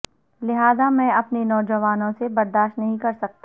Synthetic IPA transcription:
lɪɦaːzamɛ̃ːɐpnenɔːd͡ʒɐʋaːnõsebɐɾd̪aːʃtnɐɦĩkɐɾsɐk̚t̪a

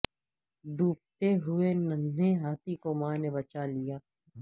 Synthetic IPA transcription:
ɖʱuːp̚t̪eɦʊenɐneɦaːt̪ikomaːnebɐt͡ʃalijaː

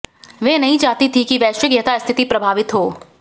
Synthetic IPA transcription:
ʋeːnɐɦĩt͡ʃaːɦt̪it̪ʰikiʋɛːʃəɡjət̪ast̪ʰɪt̪ipɾɐbʱaːʋɪt̪ɦoː

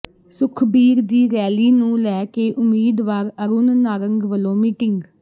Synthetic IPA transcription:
sʊkʰbiːɾd̪iːɾɛːliːnũːlɛːkeːʔʊmːiːd̪ʋaːɾəɾuːnnaːɾəŋɡʋəlõːmiːʈɪŋɡ

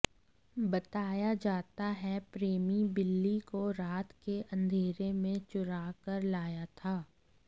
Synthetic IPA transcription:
bɐt̪aːjad͡ʒaːt̪aɦɛpɾeːmibɪlːikoɾaːt̪keʔɐ̃nd̪ʱeːɾemẽt͡ʃʊɾaːkəɾlaːjat̪ʰaː

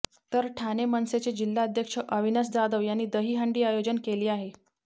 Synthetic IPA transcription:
t̪əɾʈʰanemənset͡ɕed͡ʑilːaəd̪ʱjəkʂəʔəʋinəs̬d̪ad̪əʋjanːiːd̪əɦiːɦaɳɖiːajod͡ʑənkeliːaɦe

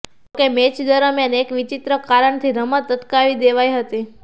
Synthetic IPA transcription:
kemet͡ʃd̪əɾəmjanekʋit͡ʃit̪ɾəkaɾəɳt̪ʰiɾəmət̪ːət̪kaʋid̪eʋajɦət̪i

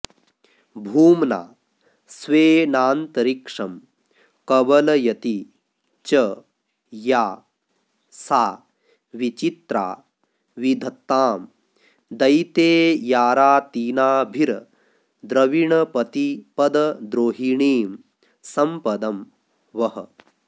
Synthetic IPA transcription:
bʱuːmna̰ː | sʋeːnaːnt̪ɐɾikʂɐm | kɐʋɐlɐjɐt̪i | t͡ʃɐ | jaː | saː | ʋit͡ʃit̪ɾa̰ː | ʋid̪ʱɐt̪ːaːm | d̪ɐjt̪eːjaːɾaːt̪iːnaːbʱiɾ | d̪ɾɐʋiɳɐpɐt̪ipɐd̪ɐd̪ɾoːɦiɳiːm | sɐmpɐd̪ɐm | ʋɐɦɐ̰

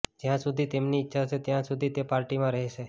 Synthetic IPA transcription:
d͡ʒjãsud̪ʱit̪emniːtːʃʰaʃʰet̪jãsud̪ʱit̪epaːɾʈimãɾəɦɛʃe

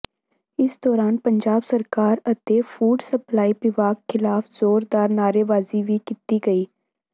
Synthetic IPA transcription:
ɪsd̪ɔːɾaːnpəɲd͡ʒaːbsəɾkaːɾət̪eːfʰuːɖsəplaːiːpɪʋaːkkʰːɪlaːfzoːɾd̪aːɾnaːɾeːʋaːziːʋiːkit̪iːɡəiː

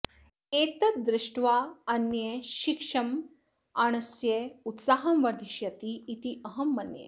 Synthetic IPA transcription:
et̪ɐd̪ɾɪʂʈʋaɐnjeʃikʂɐm | añɐsjeut̪saɦɐmʋɐɾd̪ʱiʃjɐt̪iːt̪iʔɐɦɐmːɐnjḛ

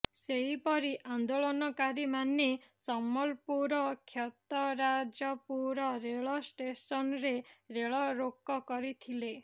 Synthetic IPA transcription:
seɦipɔɾiʔand̪oɭɔnɔkaɾimanesɔmɔlpuɾɔkʰjɔt̪ɔɾad͡ʒɔpuɾɔɾeɭɔsʈesɔnɔɾeɾeɭɔɾokːɔkɔɾit̪ʰile

